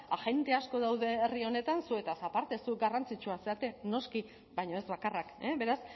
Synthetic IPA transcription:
aʝe̞nt̪e̞asko̞ð̞awðe̞ːrio̞ne̞t̪ansue̞t̪asapaɾt̪e̞suɡarant͡sit͡ʃuaseat̪e̞no̞ski | bajɲo̞ezβakarakeβe̞ɾas

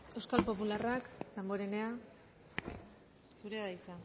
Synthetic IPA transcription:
e̞wskalpo̞pularakd̪emboɾe̞ne̞a | suɾeβajt͡sa

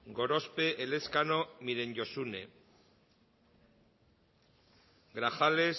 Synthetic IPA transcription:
ɡo̞ɾo̞speʔele̞skano̞miɾe̞nɟo̞sune̞̰ | ɡɾaxales

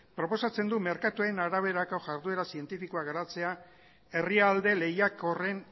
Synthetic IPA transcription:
pɾo̞po̞sat͡se̞nd̪ume̞ɾkat̪uaenaɾaβ̞e̞ɾakoʝaɾðue̞ɾasie̞nt̪ifikoaɣaɾat͡se̞a | e̞riald̪e̞le̞jako̞re̞n

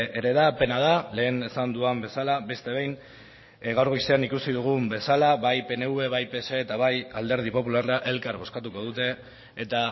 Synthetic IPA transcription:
eɾe̞ðape̞nað̞ale̞ːne̞sand̪uambe̞salaβe̞st̪e̞βe̞jn | ɣawɾɣojseanikusiðuɣumbe̞salaβajpe̞ne̞uβe̞βajpe̞se̞ːt̪aβaja̰ld̪e̞ɾð̞ipo̞pularaʔe̞lkaɾβo̞skat̪uko̞ð̞ut̪e̞ː | t̪a

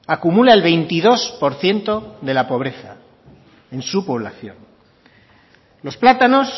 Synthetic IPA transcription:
akumulae̞lβe̞jnt̪iðo̞spo̞ɾθje̞nt̪o̞ðe̞lapo̞β̞ɾe̞θa | e̞nsupo̞β̞la̰θjo̞̰n | lo̞splat̪ano̞s

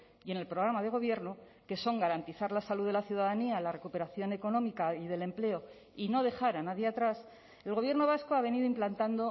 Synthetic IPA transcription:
je̞ne̞lpɾo̞ɣ̞ɾamaðe̞ɣ̞o̞β̞je̞ɾno | ke̞so̞ŋɡaɾant̪iθaɾlasaluðelaθjuð̞aðanialare̞kupe̞ɾaθjo̞ne̞ko̞nõ̞mikaiðe̞le̞mple̞o̞ | ino̞ð̞e̞xaɾanaðjeat̪ɾas | e̞lɣo̞β̞je̞ɾno̞β̞asko̞aβe̞niðoimplant̪and̪o̞

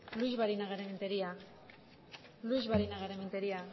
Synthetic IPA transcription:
luzβaɾinaɣaɾement̪eɾia | lujzβaɾinaɣaɾement̪eɾia

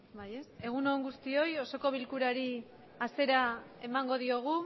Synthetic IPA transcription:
baje̞se̞ɣ̞uno̞eŋɡust̪io̞jo̞so̞ko̞β̞ilkuɾaɾi | ase̞ɾae̞maŋɡo̞ð̞io̞ɣ̞u

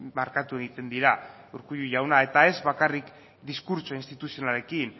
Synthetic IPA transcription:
maɾkat̪ue̞ɣit̪e̞nd̪iɾa | uɾkujuʝawnae̞t̪ae̞zβakarik | d̪iskuɾt͡soinst̪it̪usio̞nale̞kin

